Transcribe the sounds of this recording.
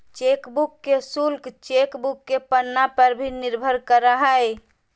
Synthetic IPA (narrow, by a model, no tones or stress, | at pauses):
t͡ʃekbukːesulkt͡ʃekbukːepənːapəɾbʱiniɾbʱəɾkəɾəɦəj